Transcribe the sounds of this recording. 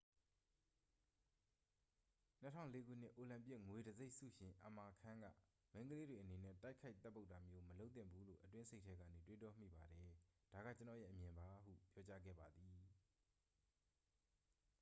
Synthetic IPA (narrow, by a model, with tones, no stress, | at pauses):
n̥ətʰã̰˦˨ʊ̃le˨˦ɡṵ˦˨n̥ɪ̰˦ʔo˨lã˨mpjɪ˦ʔŋwe˨dəze˦ɪʔsṵ˦˨ʃɪ̃˨ʔə˨ma˨kʰã˦ŋɡä̰˦˨ | mẽ˦ɪŋɡəle˦dwe˨ʔəne˨nɛ̰˦˨ta˦ɪkʰa˦ɪt̪θɛ˦pːo˦ʊta˨mjo˦məlo˦ʊt̪θɪ̰̃˦˨mbu˦lo̰˦˨ʔətwɪ̃˦nsʰe˦ɪʔtʰɛ˦ɡä̰˦˨ne˨twe˦tɔ˦m̥ḭ˦˨ba˨ɾɛ˨d̥a˨ɣä̰˦˨t͡ɕə˨nɔ̰˦˨jɛ̰˦ʔəmjɪ̃˨mba˨˦ɦṵ˦˨pjɔ˦t͡ɕa˦ɡɛ̰˦˨ba˨d̪i˨